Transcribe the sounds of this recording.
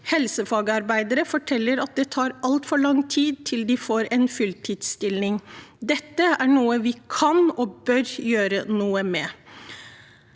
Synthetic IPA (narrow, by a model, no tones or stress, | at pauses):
hɛlsəfɑːɡəɑɾbæɪd̪əɾəfɔʈʰɛlːəɾɑt̪̚d̪ɛt̪ʰɑːɾɑlt̪fɔɭɑŋt̪ʰiːd̪̚t̪ʰɪld̪ɪfoːɾɛnfʉlt̪ʰid̪st̪ɪlnɪŋd̪ɛt̪ːəæɳuːəʋɪkʰɑnɔbœɾjøːɾənuːəmɛ